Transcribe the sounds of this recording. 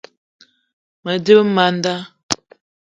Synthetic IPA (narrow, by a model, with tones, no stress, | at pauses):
mə˨də˦bma˨˦n˦da˦